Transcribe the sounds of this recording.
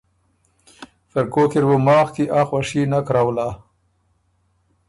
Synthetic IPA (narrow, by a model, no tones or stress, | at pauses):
fɪɾkoːkiɾbumɑːxkiʔaxwaʂinakɾawla